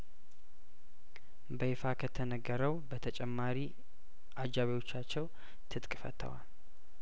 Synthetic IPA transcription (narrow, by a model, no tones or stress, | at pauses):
bəfakʰət̪ʰənəɡːəɾəwbət̪ʰət͡ʃʼɛmːaɾi | ʔad͡ʒːaβewo̞t͡ʃːat͡ʃːɛw | t̪ʰɨt̪ʼkʼfə̰t̪ʰːə̰wa̰l